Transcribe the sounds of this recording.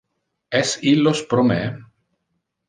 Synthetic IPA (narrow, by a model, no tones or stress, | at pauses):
ɛsilospɾomḛ